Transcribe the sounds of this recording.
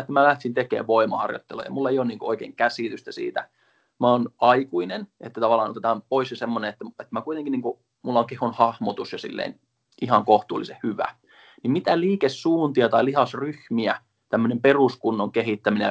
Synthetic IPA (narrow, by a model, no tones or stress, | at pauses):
et̪ːæmælæht̪sint̪ekḛːʋʋoimɑhɑ̰rjo̰t̪ːelo̰jɑ̰mulːɑeijoniːŋkooikeːŋkæsiˑt̪yst̪æsḭːt̪æ̰ | mæonɑikuinenet̪ːæt̪ɑʋɑlːˑɑːnot̪et̪ɑmpoisjɑsemːoneet̪ːæet̪mækuit̪eŋkiniːŋku | mulːɑoŋkehonhɑhmot̪usjɑsḭlːḛin | ʔihɑŋkoht̪uːlːˑisehhyʋæ̰ | nimmit̪æliːkessuːnt̪iɑt̪ɑilihɑsryhmiæ | t̪æmːønemperuskunːoŋkeɦit̪ːæmine